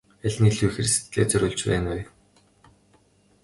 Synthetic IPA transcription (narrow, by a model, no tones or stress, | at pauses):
æɮʲniːɮujxĕrist̪ɮḛːt͡sœɾʲʊːɮt͡ɕpæ̰ːnwʊj